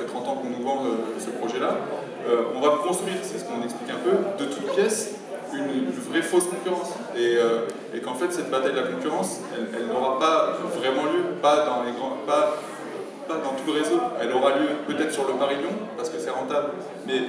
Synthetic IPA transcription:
ɛt̪ʁɑ̃t̪ɑ̃kɔ̃nuvɑ̃øsəpχɔʒɛla | øɔ̃vapkɔ̃st̪χɥiʁsɛsə̥kɔ̃nɛksplikɛ̃pød̪ət̪ʰut̪pjɛs | ynvʁɛfoskɔ̃kʲyʁɑ̃s | eø | ekɑ̃fɛt̪sɛt̪̚bat̪ajd̪əlakɔ̃kʲyʁɑ̃s | ɛ̰lɛlnɔʁapavʁɛmɑ̃ljøpad̪ɑ̃leɡʁɑ̃pa | pad̪ɑ̃t̪uləʁezoɛlɔʁaljøpøt̪ɛt̪χsyʁləpaʁiljɔ̃paʁsə̥kəsɛʁɑ̃t̪abl | mɛ

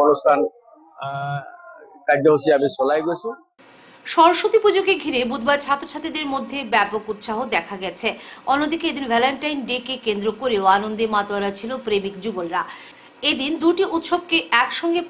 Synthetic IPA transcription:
ɔnostʰan | kajd͡ʑaɦosiabiʃɔlajɡot͡ɕʰe | ʃɔɾʃot̪ipod͡ʑoɡeɡʱiɾebud̪baet͡ɕʰat̪ːot͡ɕʰat̪id̪eɾmod̪ʱːebɛpokut̪ʃaɦod̪ɛkʰaɡɛt͡ɕʰeɔnːod̪ikeed̪invʱɛleɳʈajnɖekekend̪ɾokoɾeoanond̪emat̪owaɾat͡ɕʰilopɾemikd͡ʑuɡbolɾa | ed̪ind̪uʈiʔut̪ʃob̚keʔɛkʃɔŋɡe

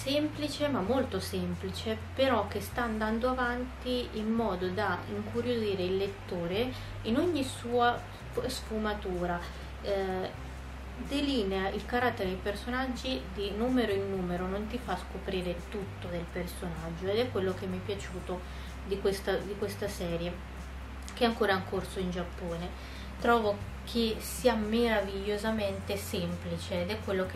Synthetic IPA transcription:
semplit͡ʃemamːolt̪osemplit͡ʃepeɾɔk̟ːest̪aːnd̪and̪oavant̪iimːɔːd̪od̪aḭŋkuɾjoziːɾeilːet̪ːoːɾe | inoɲːisuːa | sfumat̪uːɾa | d̪eliːneailkaɾat̪ːeɾed̪ejpersonad͡ʒːid̪inuːmeɾoinːuːmeɾonont̪ifaskopɾiːɾet̪ut̪ːod̪elpersonad͡ʒːoed̪ɛkːwelːok̟emːiɛpːjat͡ʃuːt̪o | d̪ikwest̪ad̪ikwest̪asɛːɾje | keɛaŋkoːɾaŋkːorsoind͡ʒapːoːne | t̪ɾɔːvo | kʰesiːameɾaviʎːozament̪esɛmplit͡ʃeːd̪ɛkːwelːok

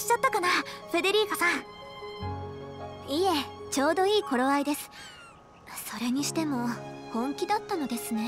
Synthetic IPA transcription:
ɕi̥t͡ɕat̪ːakanaɸe̞d̪e̞ɾʲiːkasãɴ | ie̞t͡ɕo̞ːd̪oiːkʰo̞ɾo̞βaid̪e̞sɨ̥ | so̞ɾe̞ɲ̟iɕi̥t̪e̞mo̞kõ̞ŋkʲid̪at̪ːano̞d̪e̞sɨne̞

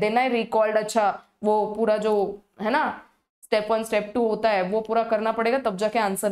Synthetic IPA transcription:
d̪eːnaɦɛɾiːkɔːlɖətːʃʰa | ʋopuːɾad͡ʒoː | ɦɛːna | sʈɛːpənsʈɛːp̚ʈuɦoːt̪aɦɛʋopuːɾakɐɾnapəɽeːɡat̪ɐb̚d͡ʒakeãːnsəɾ

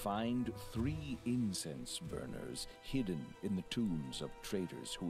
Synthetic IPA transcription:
fãɪ̃nd̪θɹiɪ̃nsɛ̃nsbɜ̰˞nə̰˞z̥ | hɪdⁿn̩ɨ̃nðɨtʰũmzʌv̥tʰɹ̥eɪɾə̰˞z̥hu

